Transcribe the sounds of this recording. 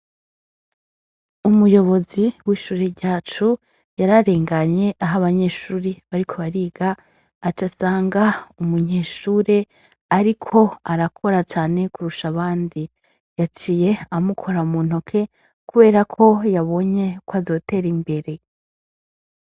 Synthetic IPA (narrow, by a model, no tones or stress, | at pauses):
umujo̞βo̞ziwiːʃuːɾeɾɟaːt͡ʃu | jaɾaɾe̞ːŋɡaɲe̞ʔaɦaβaɲe̞ːʃuːɾeβaɾikʰo̞βaɾiːɡaː | tasaːŋɡaumuɲe̞ːʃuːɾe̞ | aɾikʰo̞aɾakʰo̞ɾat͡ʃaːne̞kuɾuʃaβaːndi | jat͡ʃiːje̞amukʰo̞ɾamuːn̥o̞kʰe̞ | kuβe̞ːɾakʰo̞jaβo̞ɲe̞kwazo̞ːte̞ːɾimbe̞ɾe̞